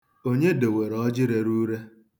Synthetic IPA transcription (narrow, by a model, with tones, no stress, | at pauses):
o˦ɲe˦de˨we˨ɾɔ˦d͡ʒɪ˦ɾe˨ɾu˦ɾe˦